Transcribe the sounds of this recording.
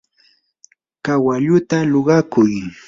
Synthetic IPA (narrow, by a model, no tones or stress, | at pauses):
kawaʎʊt̪aloɢɑkʊj